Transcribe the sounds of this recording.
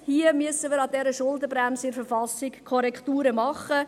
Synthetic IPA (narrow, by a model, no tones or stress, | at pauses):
hiəmyəsəmiːɾɑdɛɾəʃʊldəbɾæmsəɪɾfɛɾfɑsɪkʰːɔɾɛkχtuːɾəmɑχə